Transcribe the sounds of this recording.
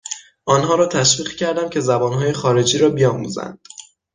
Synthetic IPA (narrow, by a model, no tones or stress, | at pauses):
ʔɒːnɦɒːɾɒːt̪ʰæʃviːɣcʰæɾd̪æmcʲʰe̞zæbɒːnɦɒːje̞xɒːɾe̞d͡ʒiːɾɒːbijɒːmṵːzæ̰nd̪̥